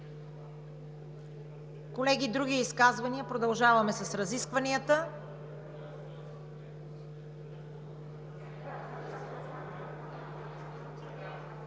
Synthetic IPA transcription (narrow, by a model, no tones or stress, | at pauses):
kolɛɡid̪ɾuɡiiskazvɐniəpɾod̪ɐlˠʒavɐmɛsɐsɾɐziskvɐniət̪ə